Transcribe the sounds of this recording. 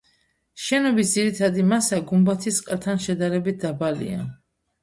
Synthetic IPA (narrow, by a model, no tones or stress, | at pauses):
ʃɛnɔbisd̪ziɾit̪ʰad̪imasaɡumbat̪ʰisʼqʼat̪ʰanʃɛd̪aɾɛbit̪̚ʰd̪abalḭa̰